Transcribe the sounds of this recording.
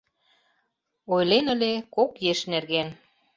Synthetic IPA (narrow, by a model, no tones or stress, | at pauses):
ojlenə̆lʲekokjeʃnerɣen